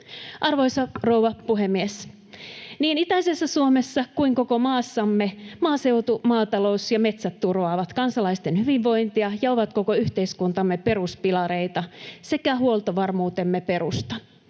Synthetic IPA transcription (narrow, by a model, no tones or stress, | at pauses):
ʔɑrʋoisɑrouʋɑpuɦemːies | niːnit̪æisesːæsuomesːɑkuiŋkokomɑːsːɑmːemɑːse̞wt̪umɑːt̪ɑlo̞usjɑme̞t̪sæt̪ːurʋɑːʋɑt̪kɑnsɑlɑist̪enhyʋiʋʋo̞jnt̪iɑjɑoʋɑt̪ko̞koyht̪eiskunt̪ɑmːepe̞ɾuspilɑɾeit̪ɑsekæhuolt̪oʋɑrmuːt̪e̞mːepe̞ɾust̪ɑ